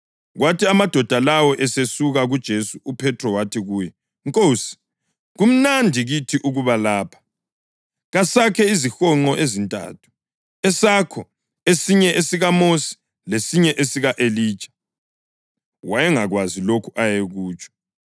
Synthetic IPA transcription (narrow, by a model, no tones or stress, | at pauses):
ɣwatiamad̥ʱɔd̥ʱalawɔʔɛsesuɣaɣud̥ʒ̥ʱesuupʰɛtʰrɔwatʰiɣuːjɛ | ŋkʼoːsi̥ | ɣum̩nandʱiɣitʰiʔuɣuβalaːpʰḁ | ɣasakʰɛizixɔŋ͡ǃɔʔezintʼa̰tʰu̥ | ɛsakʰɔ | esiɲɛʔesiɣamosi̥ | lesiɲɛʔesiɣaʔeli̥ːt͡ʃʼḁ | wajɛŋaɣwazilokʰuʔajeɣuːt͡ʃʼɔ̥